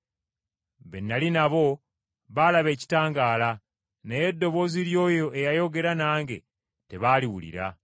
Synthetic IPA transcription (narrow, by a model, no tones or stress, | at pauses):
βe̞nːalinaβo̞ | βalaβe̞ːci̥taːŋɡaːla | neje̞dːo̞βo̞ziɾjo̞ːjo̞ʔejajo̞ɡe̞ɾanaːŋɡe̞̰ | te̞βaːliwṵlḭɾa̰